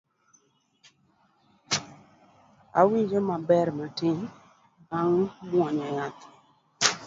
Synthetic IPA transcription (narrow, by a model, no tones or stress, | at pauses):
a̰wid͡ʒəmabɛɾmətɪ | ɡaŋmɔɲɔjat̪